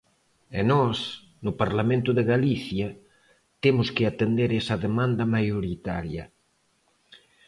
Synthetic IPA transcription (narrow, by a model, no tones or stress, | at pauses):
enɔs | nupaɾlamẽnt̪uðeɣaliθja | t̪emʊskeat̪end̪eɾesaðemãnd̪ɐmajoɾit̪a̰ɾjɐ̰